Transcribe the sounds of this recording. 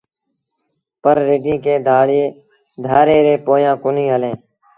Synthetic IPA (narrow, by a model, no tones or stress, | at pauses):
pəɾːeːɖĩːkeːd̪ʱaːɭeː | d̪ʱaːɾeːɾeːpoːjãːkʊnĩːɦəlẽː